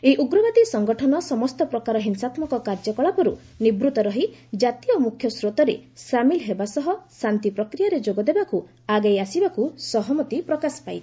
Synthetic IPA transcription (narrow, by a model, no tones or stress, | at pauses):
eiʔuɡɾɔbad̪isɔŋɡɔʈʰɔnɔsɔmɔst̪ɔpɾɔkaɾɔɦinsat̪mɔkɔkaɾd͡ʒɔkɔɭapɔɾṵ | nibɾut̪ɔɾɔɦid͡ʒat̪iomukʰjɔsɾot̪ɔɾḛsamilɦebasɔɦɔsant̪ipɾɔkɾijaɾed͡ʒoɡɔd̪ebaku | aɡajasibakusɔɦɔmɔt̪ipɾɔkasɔ̥paj